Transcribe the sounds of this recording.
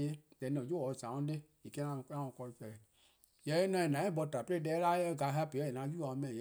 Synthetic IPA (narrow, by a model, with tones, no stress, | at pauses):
e˦dɛ̃˨nɔ̃˨d͡ʒo˦wɔ˨zã˨˦õ˦de˦ | e˨ke˦ã˦˧˨ã˦ɔ̃˧˨kɔ˧i˧˦fɛ˨ | jɛ˨˦nã˧˦ɛ˨nã˨˦ɛ̃˦bɔ˧˨ta˨pe˦e˦˨˦ɛ˨˦la˦e˦e˦ɡa˧˦ɦpe˨ɔ˦e˨nã˧˦ju˦a˨õ˨˦mɛ̃˨jɛ˨